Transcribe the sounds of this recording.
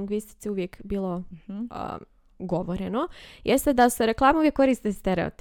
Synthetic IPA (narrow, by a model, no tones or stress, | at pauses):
ŋɡʋist̪i̥t̪siuʋjekbiːlˠo̞̰ | ɡo̞ʋoɾenojest̪ed̪aseɾe̞klˠaːmuvjekːo̞ɾist̪est̪eɾeo̰t̪